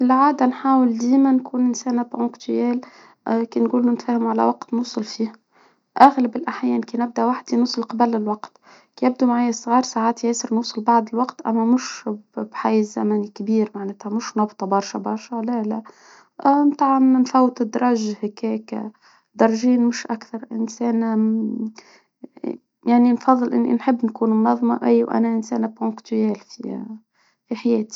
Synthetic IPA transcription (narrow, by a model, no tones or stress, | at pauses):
ɪlʕaːd̪anħaːwɪld̪iːmankuːnʔɪnsæːnabʔʊ̃kt̪jɛːl | keːnɡuːlːunɪt̪fæːhɪmʕala̰wɑqt̪nuːsˤɑlfiːh | ʔaɣlabɪlʔaħjɛːnkeːnɪb̚d̪aʔwaħd̪inuːsˤɨlqɑbalɪlwɑqt̪ | kejɪb̚d̪umaʕajːasˤɣɑːɾˤsaːʕaːt̪jeːsɨɾnuːsˤɑlbɑʕd̪ˤɪlwɑqt̪ʔa̰mːæmʊʃbħajzæmænikbiːɾmaʕnɛːt̪hæmʊʃnɑbt̪ˤɑbɑɾˤʃɑbɑɾˤʃælælæ | mt̪ˤɑʕʕɑnnfæwːt̪ɪd̪ɾˤɑʒhɪkɛːk | d̪ɑɾˤʒiːnmʊʃʔakθɑɾˤʔɪ̰nsɛːn | jaʕninfɑðˤːɨlʔɪnːḭnħɪbːnkuːnmnɑðˤmɑ̰ʔæjːwʔæ̰næʔɪnsɛ̰ːnpʊ̃ŋkt̪æːlfḭ | fiħajɛːt̪i̥